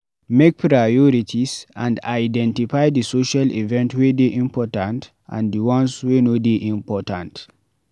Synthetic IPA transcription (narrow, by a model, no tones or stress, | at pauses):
mek̚pɹajɔɾitʰisã̰ndajdɛ̃ntifajdisoʃalḭvɛ̃ntwedeʔĩmpɔtãnt | ʔã̰ndiwãnswenodeʔĩmpɔtãnt